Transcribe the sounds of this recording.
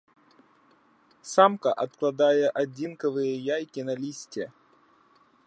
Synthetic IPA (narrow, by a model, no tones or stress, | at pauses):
samkəʔɐt̪klˠɐd̪ajəʔɐdʲinkəvɨjəjajkʲɪnɐlʲisʲtʲɪ